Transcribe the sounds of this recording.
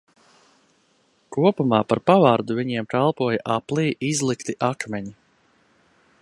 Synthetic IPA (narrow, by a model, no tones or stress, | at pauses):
kuɔpumaːpaɾpavaːɾd̪uviɲiɛmt̪alˠpuɔjaʔaplˠiːʔizlˠikt̪iʔakmʲɛɲi